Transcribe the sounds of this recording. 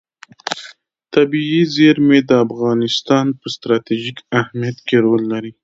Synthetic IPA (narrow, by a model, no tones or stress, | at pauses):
t̪abiizeɾmed̪əafɣɑnɪst̪ɑnpəst̪ɾɑt̪iʒikahmijat̪keɾolːaɾi